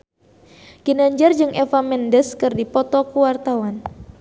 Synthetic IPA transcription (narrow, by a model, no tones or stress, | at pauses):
kinaɲd͡ʒard͡ʒɨŋʔɛfamɛndɛskɨrdipɔt̪ɔkuwart̪awan